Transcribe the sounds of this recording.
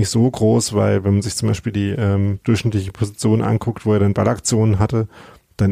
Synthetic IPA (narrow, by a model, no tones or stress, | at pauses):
nɪçtz̥oːɡʁoːsv̥aɪlvɛnmanzɪçt͡sʊmba̰ɪʃpiːldiːʔɛːmd̥ʊɐçnɪtlɪçəpʰozit͡sjoːnənʔa̰nkʰʊktv̥oːeːɐɾanbalakt͡sjoːnənɦatə | d̥an